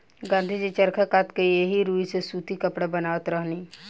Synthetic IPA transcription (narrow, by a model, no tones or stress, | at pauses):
ɡãːnd̪ʱid͡ʒit͡ʃəɾkʰakaːt̪kejeɦiɾuːisesuːt̪ikəpɽabənaːʋət̪ɾəɦniː